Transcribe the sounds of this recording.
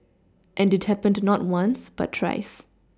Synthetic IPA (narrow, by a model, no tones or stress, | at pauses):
ʔɛ̃ndɪt̚hɛpə̃ndnɔt̚wãnsb̥a̰tʰːwa̰ɪs